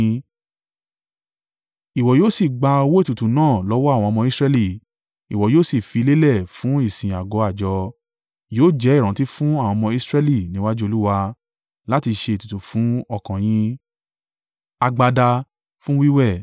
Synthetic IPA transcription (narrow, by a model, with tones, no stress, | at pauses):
i˨wɔ˨joː˦˨si˦˨ɡ͡ba˧o˧wo˦e˦˨tu˨tu˨nãː˦˨lɔ˨˦wɔ˦a˦˨w̃ɔ̃˧mɔ̃˧i˦sɾɛ˦˧li˦˨ | i˨wɔ˨joː˦˨si˦˨fi˧le˦lɛ˦˨fũ˨˦i˦˨sĩ˨a˨ɡɔ˨˦a˦˨d͡ʒɔ˧ | joː˦˨d͡ʒɛ˨˦i˦˨ɾ̃ã˨˦ti˦fũ˦a˦˨w̃ɔ̃˧mɔ̃˧i˦sɾɛ˦li˦˨nĩ˨˦wa˦d͡ʒu˦o˧lu˦wa˧ | la˦ti˧ʃe˧i˨tu˨tu˨fũ˨˦ɔ˧˨kã˨j̃ĩ˦ | a˧ɡ͡ba˧da˧ | fũ˦wi˦wɛ˦˨